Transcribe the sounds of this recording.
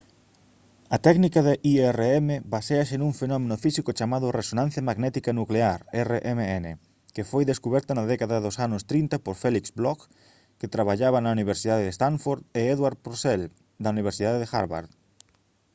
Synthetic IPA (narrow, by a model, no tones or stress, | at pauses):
ɐt̪ɛɣnikɐðɪʔiɛreɛmeβaseaʃenuŋfenɔmẽnʊfisikʊt͡ʃamaðʊresonãn̟θjɐmaɣnɛt̪ikanukleaɾɛreʔemeɛne | kefojðeskuβɛɾt̪ɐnɐðɛkaðɐðosanʊst̪ɾint̪ɐpoɾfɛliksblɔk | ket̪ɾaβaʎaβɐnɐuniβ̞eɾsiðað̞eðest̪aɱfoɾðeɛðwaɾðpɾosɛl | d̪ɐuniβ̞eɾsiðaðeðexa̰ɾβa̰ɾð